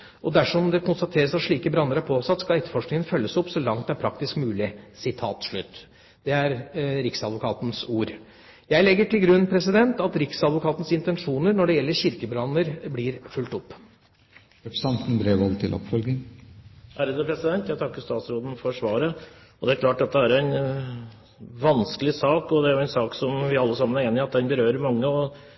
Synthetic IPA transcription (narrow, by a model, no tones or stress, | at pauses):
ʔɔd̪æʂɔmd̪ɛkʊnst̪ɑt̪ʰeːɾəsɑt̪ʂɭiːkəbɾɑnːəɾæɾpʰoːsɑt̪ːskɑlɛt̪ə̥fɔʂknɪŋənfœlːəsɔpsɔlɑŋt̪d̪æɾpʰɾɑk̚t̪ɪskmʉːlɪsɪt̪ʰɑ̰ːt̪ʂɭʉt̪ː | d̪̥ɛæɾɾɪksɑd̪ʋʊkʰɑːt̪n̩suːɾ | jæɪlɛɡːəʈɪlɡɾʉnːpʰɾɛsɪd̪ɛnt̪ɑt̪ɾɪksɑd̪ʋʊkʰɑːt̪n̩sɪnt̪ɛnʂuːnəɾnɔɖɛjɛlːəɾçɪɾkəbɾɑnːəɾblɪɾfʉlt̪ɔpː | ɾɛpɾəsɑnt̪n̩bɾeːʋɑlt̪ʰɪlʔɔ̰pfɔlɡ̪ɪŋ | ʔæːɾəd̪əpʰɾɛsɪd̪ɛnt̪jæt̪ʰɑkːəɾst̪ɑːt̪sɾoːd̪n̩fɔʂʋɑːɾə | ɔd̪ɛæɾklɑːʈːɑt̪̚d̪ɛæɾæɪn | ʋɑnskəlɪsɑːkɔd̪ɛæɾjʊæɛɪnsɑːksɔmʋɪɑlːəsɑmːənæɾeːnɪɑt̪̚d̪ɛnbəɾøːɾəɾmɑŋːəɔ